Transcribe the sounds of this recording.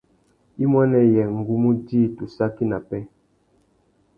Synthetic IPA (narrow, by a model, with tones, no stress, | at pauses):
i˦mwa˦nɛ˦˨jɛ˨ŋ̩˨ɡu˦mu˦diː˦˨tu˨sa˦ki˦na˨pɛ˦